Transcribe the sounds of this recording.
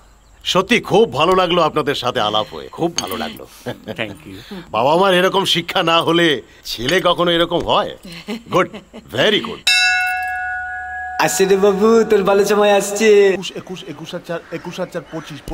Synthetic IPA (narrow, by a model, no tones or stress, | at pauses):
ʃot̪ːikʰubːʱalolaɡloapnad̪eɾʃat̪ʰea̰la̰pɦo̰ḛkʰubːʱa̰lo̰la̰ɡlo̰ | t̪ʰkjuba̰bamaɾeɾɔkomʃikʰːanaɦole | t͡ɕʰelekɔkʰonoeɾɔkomɦɔeɡuɖ̚veɾiɡṵɖ | ast͡ɕeɾebabut̪oɾbʱalot͡ʃɔmaeaʃt͡ɕʰeʃekuʃekuʃatːʃaɾekuʃɦat̪ːʃaɾpot͡ɕiʃ